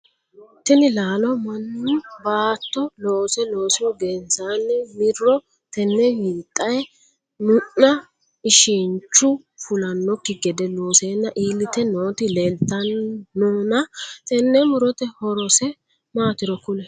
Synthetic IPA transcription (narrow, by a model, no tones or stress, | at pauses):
t̪ɛnɪlaːlɔmɐnːʊbaːt̪ːɔloːsɛloːsɪwɡensaːnːɛmɪrːɔ | t̪ɛnːɛjiːt̪ʼːɐj | mʊʔːɐ | ɪʃɛnt͡ʃːʊ | fʊlɐnːɔkːɪɡɛd̪ɛlo̞ːseːnːɐʔiːlɪt̪ɛnoːt̪ɪleːlt̪ːɐnːonɐt̪ɛnːɛmʊɾɔt̪ɛhɔɾɔsɛ | maːt̪ɪɾɔkʊlɛ